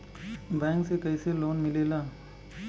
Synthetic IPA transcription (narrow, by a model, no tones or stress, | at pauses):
bɛ̃ːŋksekəɪseloːnmɪlelaː